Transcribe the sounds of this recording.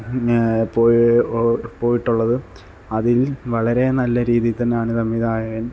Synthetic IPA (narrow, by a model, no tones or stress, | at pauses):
poː | po̞ːjiʈːuɭːɐðɨ | ɐðilʋɐɭɐɾe̞nɐlːɐɾiːðijt̪ːɐnːeaːɳisɐmːiðaːjɐɣɐ